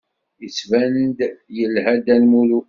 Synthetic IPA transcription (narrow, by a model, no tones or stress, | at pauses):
ət͡sːvænnd̪jəlɦæd̪ænmulu